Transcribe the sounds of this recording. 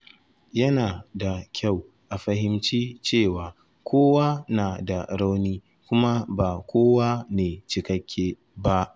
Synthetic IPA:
jɐ˦naː˨da˨kʲʰa˦˨w | ʔa˨ɸɐ˦ɦɪ˦mt͡ʃiː˦t͡ʃeː˦˨waː˨ | kʷʰoː˦wa˦naː˨da˨ɽa˦wniː˦ | kʷʊ˦ma˦baː˨kʷoː˦wa˦neː˨t͡ʃɪ˨kɐ˦kʲʰːeː˦ | ba˦ʔ

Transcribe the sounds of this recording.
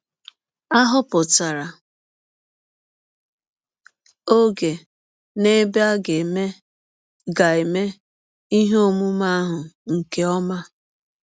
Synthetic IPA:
a˦ɦʊ˦pʊ˨ta˨ɾa˨ | o˦ɡe˨ | ne˦be˦a˦ɡe˨me˦ | ɡa˨e˨me˦ | i˦ɦo˦mu˦ma˦ɦʊ˨ŋ̩˨ke˦ɔ˦ma˦

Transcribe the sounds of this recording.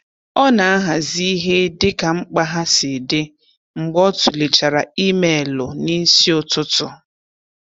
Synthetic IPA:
ɔ˦na˨a˦ɦa˨zi˦i˦ɦe˦dɪ˦ka˨ŋ͡m̩˦k͡pa˦ɦa˦sɪ˨dɪ˦ | ŋ͡m̩˨ɡ͡bɔ˦tʊ˨le˨t͡ʃa˨ɾa˨i˦me˨e˨lʊ˨ni˦n̩˦si˦ʊ˨tʊ˦tʊ˨

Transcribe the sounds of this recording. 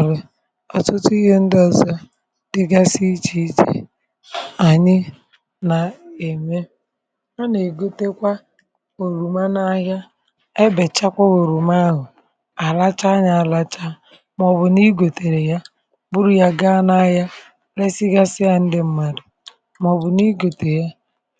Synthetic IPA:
le˨ | ɔ˨tʊ˦tʊ˦i˦ɦe˦n̩˦dɔ˦zɔ˦ | dɪ˦ɡa˦si˦t͡ʃi˦t͡ʃḭ˨ | a˨ɲɪ˦ | na˨e˨me˦ | a˦ne˨ɡo˦te˦kʷa˦ | o˨ɾu˨ma˦na˦ɦa˦ | e˦be˨t͡ʃa˦kʷa˦ɣo˨ɾu˨ma˦ɦʊ˨ | a˨la˦t͡ʃa˦ɲa˨la˦t͡ʃa˦ | mɔ˨bʊ˨ni˦ɡo˨te˨ɾe˨ja˦ | bʊ˦ɾu˦ja˦ɡa˦na˦ja˦ | le˦si˦ɡa˦sɪ˦ja˦n̩˦dɪ˦m̩˦ma˨ɾi˨ | m˨ɔ˨bʊ˨ni˦ɡo˨te˨ja˦

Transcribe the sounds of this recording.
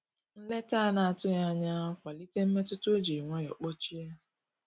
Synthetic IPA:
n̩˦le˦ta˦na˨a˨tʊ˦ja˦ɲa˦kʷa˨li˦te˦m̩˦me˦tʊ˦to˦d͡ʒe˨ŋʷɔ˦jɔ˨k͡pɔ˦t͡ʃi˦a˦

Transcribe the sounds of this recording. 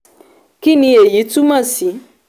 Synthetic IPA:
ki˦nĩ˧e˨ji˨˦tu˦mã˦˨si˨˦

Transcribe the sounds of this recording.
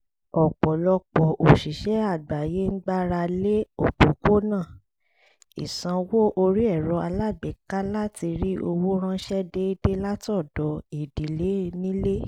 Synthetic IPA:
ɔ˨k͡pɔ˨lɔ˧k͡pɔ˨ʔo˨ʃi˨ʃɛ˦a˦˨ɡ͡ba˨je˨˦n̩˦ɡ͡ba˦ɾa˧le˦o˦˨k͡po˨ko˦nã˦˨ | ḭ˨sã˧wo˦ʔo˧ɾi˦ɛ˦˨ɾɔ˧˦a˧la˦˨ɡ͡bɛ˨ka˦la˦ti˧ɾi˦o˧wo˦ɾ̃ã˦ʃɛ˦de˦i˦de˦la˦tɔ˦˨dɔ˨˦i˨di˨˦le˨˦nĩ˦le˦

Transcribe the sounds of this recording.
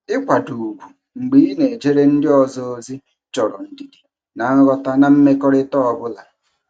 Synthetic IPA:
ɪ˦kʷa˨du˨ɡʷu˨ | ŋ͡m̩˨ɡ͡bi˨˦i˦ne˨d͡ʒe˦ɾe˦n̩˦dɪ˦ɔ˨zɔ˦o˦zi˦ | t͡ʃɔ˨ɾɔ̰˨n̩˦di˨di̥˨ | na˨˦ŋ̩˦ɣɔ˦ta˦na˨m̩˦me˦kɔ˦ɾɪ˦tɔ˦ɔ˨bʊ˦la˨

